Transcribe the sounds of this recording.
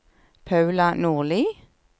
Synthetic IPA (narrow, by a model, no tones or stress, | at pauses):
pʰɑʉlɑnuːʁliː